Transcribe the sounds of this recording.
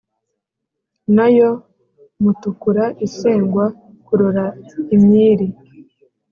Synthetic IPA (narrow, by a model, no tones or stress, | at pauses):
najo̞ | mutukuɾaʔiseːŋɡwa | kuɾoɾaimɲiːɾi